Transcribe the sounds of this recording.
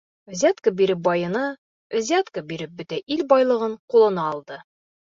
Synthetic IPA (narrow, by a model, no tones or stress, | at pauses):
zʲat̪kəbiɾɘp̚bɒjɤ̆nɤ | zʲæt̪kəbiɾɘp̚bɵ̆t̪æʔilbɒjlˠɤ̆ʁɤɴqulˠɤ̆nɑːlˠd̪ɤ